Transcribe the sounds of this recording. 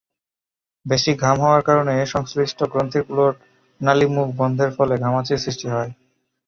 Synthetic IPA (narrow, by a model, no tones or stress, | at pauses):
beʃiɡʱamɦɔoaɾkaɾoneʃɔŋsɾiʃʈʰokɾont̪ʰiɾkuloʈ | nalimuk̚ʰbɔnd̪ʱeɾfɔleɡʱamat͡ɕiɾsɾiʃʈiɦɔe